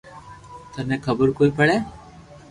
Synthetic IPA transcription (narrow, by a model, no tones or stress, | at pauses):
t̪ənekʰəbəɾkoːipəɽeː